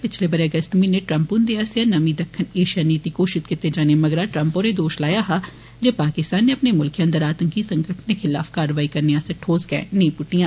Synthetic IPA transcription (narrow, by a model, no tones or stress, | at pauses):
pɪt͡ʃʰleːbəɾeːəɡəst̪mĩneːʈɾəmpʊnd̪eːaːsɪanəmĩːd̪əkʰːəneːʃijaːniːt̪iːkoːʃɪt̪kɪt̪ːeːd͡ʒaːneːməɡɾaːʈɾə̃mpoːɾeːd̪oːʃlaːjaːɦaː | d͡ʒeːpaːkɪst̪aːnːeːəpneːmʊlkiə̃nd̪əɾaːt̪əŋkiːsəŋkəʈʰneːkʰɪla̰ːfkaːɾəʋaːiːkəɾneːaːsəʈʰhoːzɡɛ̰̃ːnəĩːpʊʈijãː